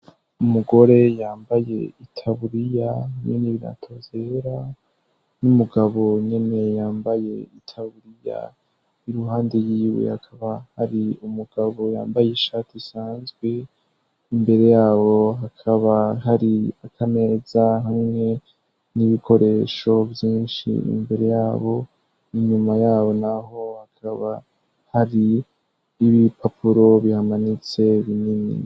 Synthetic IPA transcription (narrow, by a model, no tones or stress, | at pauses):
umuɡo̞ɾe̞jaːmbaje̞itʰaβuɾijahamɲeniβiɾa̰tʰo̞ze̞ɾa | numuɡaβo̞ɲene̞jaːmbaje̞itʰaβuɾija̰ | iɾuɦaːndejiːwḛhakʰaβahaɾiumuɡ̥aβo̞ja̰ːmbajeʃatisaːnzɡwe̞ | imbe̞ɾe̞jaːβo̞ɦakʰaβaɦaɾiakʰame̞ːzaɦamŋe̞ | niβikʰo̞ɾe̞ʃo̞vjiːnʃḭḭmbe̞ɾe̞jaːβo̞ | iɲumajaːβo̞naɦo̞hakʰaβa | haɾiː | βipʰapʰuɾo̞βihamanit͡se̞βininḭ